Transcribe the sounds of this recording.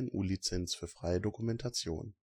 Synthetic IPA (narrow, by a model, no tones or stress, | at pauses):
ɪnʔṵːlit͡sɛnsfyːɐfʁ̥aɪədokumɛntʰat͡sjo̰ːn